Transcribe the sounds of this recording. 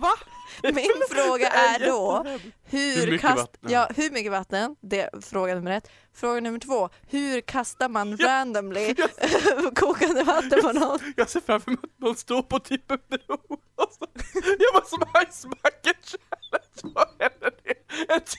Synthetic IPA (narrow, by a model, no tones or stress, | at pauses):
vamɪnfɾoːɡaʔæɖɔhʉɾkʰajɑːhʉɾmʏkːəvat̪ːənd̪ɛfɾoːɡanɵmːəɾɛt̪ː | fɾoːɡanɵmːəʈʰvoː | hʉɾkʰast̪aɾmanɾænd̪ɔmlɪ | kʰuːkand̪əvat̪ːənpʰɔnɔnjɑseːfɾamfœɾmut̪̚manst̪oːɾpʰɔt̪ʰipːəbɛu | ɔsɔjɑvasɔmasmakːəɕɛɛləsɛlːəɖɛɛnt̪